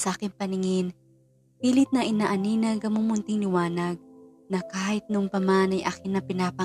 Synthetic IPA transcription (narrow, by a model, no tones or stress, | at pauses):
sɐʔaːkɪŋpɐnɪŋɪn | piːlɪt̪̚nɐʔɪnaʔɐninɐɡɐmumʊnt̪ɪŋlɪwaːnɐɡ̚ | nɐkaːhɪt̪̚nʊʔoŋpɐmanɐjʔaːkɪnːɐpɪnaːpɐ